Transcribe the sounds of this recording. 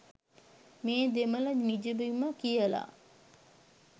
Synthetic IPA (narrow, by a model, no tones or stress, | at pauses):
meːd̪emələnid͡ʒəbiməkijəla̰ː